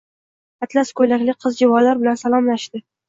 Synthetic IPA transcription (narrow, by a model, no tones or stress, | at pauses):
at̪laskʰɵjlakʲlɪqʰɨzd͡ʒɪvɒlaɾbɪlansalˠɒmlaʃd̪ɪ